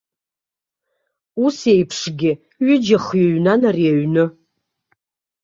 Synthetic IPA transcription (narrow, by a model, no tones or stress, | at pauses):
usejpʰʂɡʲɪ | ɥʊd͡ʒaχjaɥnanariaɥnɨ